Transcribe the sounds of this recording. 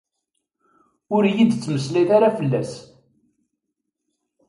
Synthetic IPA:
ʊɾjid̪t͡sːməsliθaɾafəlːæs

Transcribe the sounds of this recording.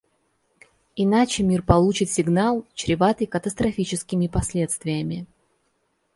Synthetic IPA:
ɪnat͡ɕɪmʲirpɐlˠut͡ɕɪt̪sʲɪɡnalˠt͡ɕɾʲɪvat̪ɨjkət̪əst̪ɾɐfʲit͡ɕɪskʲɪmʲɪpɐsʲlʲe̞t̪st̪vʲɪjəmʲɪ

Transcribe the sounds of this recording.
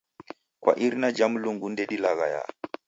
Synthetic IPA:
kwa̰ʔiɾnad͡ʒamluŋɡundeɗilaɣa̰ja̰

